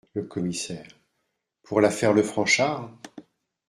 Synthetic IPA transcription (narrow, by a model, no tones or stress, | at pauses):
ləkʰɔmisɛːʁ | pʰuʁlafɛʁləfχɑ̃ʃaʁ